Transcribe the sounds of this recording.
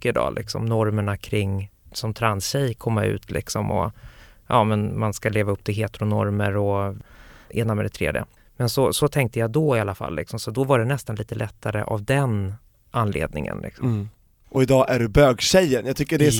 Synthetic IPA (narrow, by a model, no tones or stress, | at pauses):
əɪd̪ɑ̰ːlʔɪksɔ̰mnɔɾməɳakʰɾɪŋːsɔmt̪ʰɾansɕɛjkʰɔmːaʉ̟̰ːt̪ʰlɪksɔmɔ̰ʔɑːmɛnmanskaleːvaɵpːt̪ʰɪlɦeːt̪ɾʊnɔɾməɾɔ | ʔeːnamɛd̪ɛt̪ʰɾḛːd̪jə̰ | mɛnsɔsɔt̪ʰɛŋk̚t̪əjad̪ɔɪalːafa̰lːɪksɔmsɔd̪ɔvaɖɛnɛst̪anliːt̪əlɛt̪ʰːaɾə̰ʔa̰vd̪ɛn | ʔanːlḛːd̪̚nɪ̰ŋə̰nlʔɪ̰ksɔm | ʔɔɪd̪ɑːʔæɖɵbøːɡɕɛjːənjaɡ̚t̪ʏkːəɖɛ